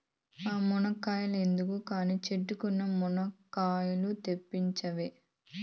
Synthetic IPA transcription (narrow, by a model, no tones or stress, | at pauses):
aːmunɐkaːjɐlend̪ukukaːniːt͡ʃeʈːukunːɐmɔnɐkaːjulut̪e̞pːiɲt͡ʃɐʋe